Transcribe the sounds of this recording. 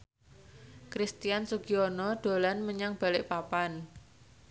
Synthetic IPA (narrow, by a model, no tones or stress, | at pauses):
kɾist̪ijansuɡiɔnɔɖ̪̥o̤lanməɲaŋb̥a̤lɪʔpapan